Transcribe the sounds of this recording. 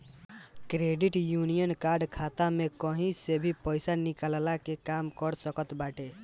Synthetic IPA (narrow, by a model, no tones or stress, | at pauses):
kɾeɖiʈjunijənkaɾɖkʰat̪amekəɦĩsebʱipəɪsanikallakekamkəɾsəkət̪baʈe